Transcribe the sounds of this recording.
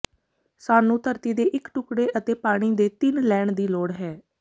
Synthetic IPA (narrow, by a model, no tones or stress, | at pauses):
saːnũːt̪əɾt̪iːd̪eːʔɪkʈʊkɽeːʔət̪eːpaːɽ̃iːd̪eːt̪ɪnlɛːɳd̪iːloːɽɦɛː